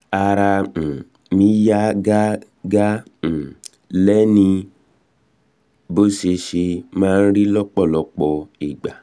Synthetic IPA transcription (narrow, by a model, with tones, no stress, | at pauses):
a˧ɾã˧˨ | mĩ˨˦ja˦ɡa˦ | ɡa˦˨ | lɛ˦nĩ˧ | bo˦ʃe˧ʃe˧mãː˦˧n̩˦ɾi˦lɔ˦k͡pɔ˦˨lɔ˧k͡pɔ˧i˨ɡ͡ba˨